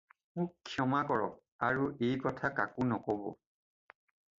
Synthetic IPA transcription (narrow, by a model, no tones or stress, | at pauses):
mʊkʰːjɔmakɔɹɔ̰k̚ | aɹuʔejkɔtʰakakʊnɔkɔbɔ̰